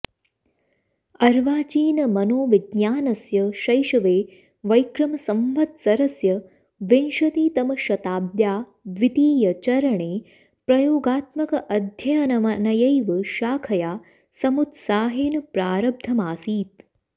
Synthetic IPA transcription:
ɐɾʋaːt͡ʃiːnɐmɐnoːʋiɡɲaːnɐsjɐʃɐjʃɐʋeː | ʋɐjkɾɐmɐsɐmʋɐt̪sɐɾɐsjɐ | ʋinʃɐt̪iːt̪ɐmɐʃɐt̪aːb̪̚jaː | d̪ʋit̪iːjɐt͡ʃɐɾɐɳeː | pɾɐjoːɡaːt̪mɐkɐʔɐd̪ʱjɐjɐnɐmɐnɐjɐjʋɐʃaːkʰɐjaː | sɐmut̪saːɦeːnɐpɾaːɾɐb̚d̪ʱɐmaːsiːt̪

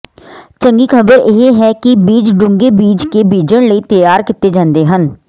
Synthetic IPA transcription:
t͡ʃə̃ŋɡikʰəbəɾeɦeɦɛkibiːd͡ʒɖʊ̃ŋɡebiːd͡ʒkebiːd͡ʒəɽ̃ləit̪əjaːɾkɪt̪ːed͡ʒãːnd̪eɦən

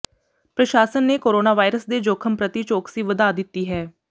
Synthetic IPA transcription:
pɾəʃaːsənːeːkoːɾoːnaːʋaːɪɾəsd̪eːd͡ʒoːkʰəmpɾət̪it͡ʃoːksiːʋəd̪aːd̪ɪt̪ːiːɦɛː

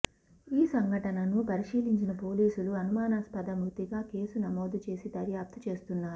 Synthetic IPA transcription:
iːsɐŋɡʱɐʈɐnɐnupɐɾiʂiːliɲt͡ʃinɐpo̞ːliːsuluɐnumaːnaːspɐd̪ɐmukt̪iɡaːke̞ːsunɐmoːd̪ut͡ʃe̞ːsid̪ɐɾjaːp̚t̪ɐ̥t͡ʃe̞ːst̪unːaːɾu

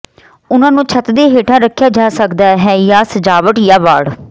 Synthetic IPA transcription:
ʊnãːnũːt͡ʃʰət̪d̪eːɦeːʈʰãːɾəkʰːjaːd͡ʒaːsəkd̪aːɦɛːjaːsəd͡ʒaːʋəʈjaːʋaːɽ

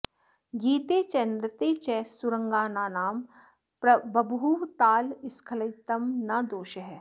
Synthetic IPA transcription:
ɡiːt̪eːt͡ʃɛnɾət̪eːt͡ʃɛsʊɾə̃ŋɡaːnaːnaːm | bɐbɦuːʋt̪aːlɪskʰɐlɐɪt̪ɐmnɐd̪oːʃəɦɛː

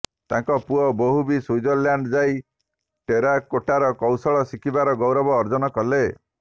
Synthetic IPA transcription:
t̪aŋkɔpuɔboɦubisujd͡ʒɔljaɳɖd͡ʒaj | ʈeɾakoʈaɾɔkɔwsɔɭɔsikʰibaɾɔɡɔwɾɔbɔːɾd͡ʒɔnɔkɔle

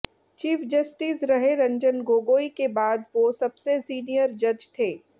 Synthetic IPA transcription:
t͡ʃiːfd͡ʒɐsʈisɾɐɦeɾɐ̃ɲd͡ʒənɡoːɡoːikebaːd̪ʋosɐbsesiːnijəɾd͡ʒɐd͡ʒt̪ʰeː

